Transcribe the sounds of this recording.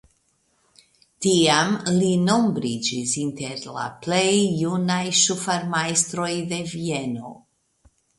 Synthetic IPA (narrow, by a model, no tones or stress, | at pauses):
tiamlino̞mbɾid͡ʒisinte̞ɾla̰plejːunajʃufaɾmajst̪ɾo̞jde̞vie̞no̞̰